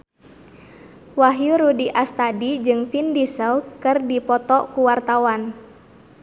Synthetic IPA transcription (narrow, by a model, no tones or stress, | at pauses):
waɦjuɾudiʔast̪adid͡ʒɨŋfindisəlkɨrdipɔt̪ɔkuwart̪awan